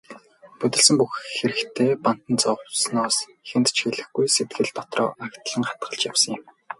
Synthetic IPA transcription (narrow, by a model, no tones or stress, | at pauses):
pɵt̪ɘ̆ɮsɘ̆mpuxxeɾɘ̆kt̪ʰeːpan̥t̪ə̆nt͡sɔwsnɔːsxent̪t͡ɕxeɮɘ̆xɡujset̪̚ɡɘ̆ɮt̪ɔt̪rɔ̰ːʔakt̪ɮə̆ŋχḁt̪̚ɢə̆ɮt͡ɕjawsə̆ŋɪ̆m